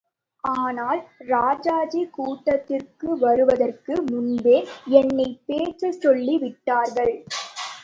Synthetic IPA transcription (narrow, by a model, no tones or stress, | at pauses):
ʔaːnaːlɾaːd͡ʒaːd͡ʒikuːʈːɐt̪ːɪrkɯʋɐɾɯʋɐðɐrkɯmʊnbeːɛnːɐɪpeːt͡ʃɯsɔɭːiʋɪʈːaːɾɣɐɭ